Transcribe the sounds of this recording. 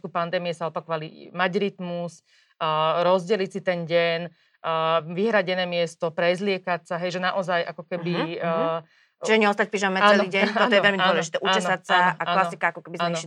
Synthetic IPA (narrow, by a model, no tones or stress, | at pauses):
kupand̪ɛːmiɛsaɔpakɔʋalimaɟɾit̪mus | ɾɔzɟɛlicsit̪ɛnɟɛnː | ʋiɦɾaɟɛnɛːmɪɛst̪ɔpɾɛzlɪɛkacsaɦɛjʒɛnaʔɔzajʔakɔkɛbi | t͡ʃiʒɛɲɛɔst̪ac̚pɾiʒamɛat͡sːɛlnɔiːɟɛɲɔɔjɛʋɛlmidaɔlɛʒit̪ɛːʔuaɛnɔsat͡saaalaɔsikaakɔkɛbizn